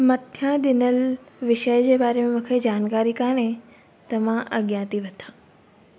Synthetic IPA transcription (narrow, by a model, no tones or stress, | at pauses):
mɐt̪ʰjãɗɪnəlʋɪʃəjd͡ʑeːbaːɾemẽmũːkʰed͡ʑaːnkaːɾikaːɽ̃ẽ | t̪ɐmãʔɐɠjãːt̪iʋɐt̪ʰãː